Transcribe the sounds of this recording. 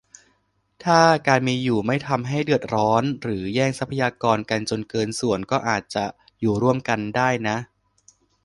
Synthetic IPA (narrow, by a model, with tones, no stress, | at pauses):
t̪ʰaː˥˩kaː˧nmiː˧juː˨˩ma˥˩jt̪ʰa˧mɦa˥˩jdɯ˨˩ət̪̚ɾɔː˦˥nɾɯː˩˦jɛː˥˩ŋsa˦˥pʰa˧jaː˧kɔː˧nka˧nt͡ɕo˧nkɤː˧nsu˨˩ənkɔː˥˩ʔaː˨˩t̪̚t͡ɕa˨˩ | juː˨˩ɾu˥˩əmka˧ndaː˥˩jna˦˥ʔ